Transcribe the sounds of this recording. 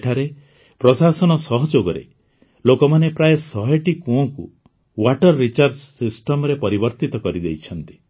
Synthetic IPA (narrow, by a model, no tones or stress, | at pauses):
ʈʰaɾe | pɾɔsasɔnɔsɔɦɔd͡ʒoɡɔɾḛ | lokɔmanepɾajesɔɦeʈikuɔ̃kṵ | waʈɔɾːit͡ʃaɾd͡ʒsisʈɔmɔɾepɔɾibɔɾt̪it̪ɔkɔɾid̪ejt͡ʃʰɔnt̪i̥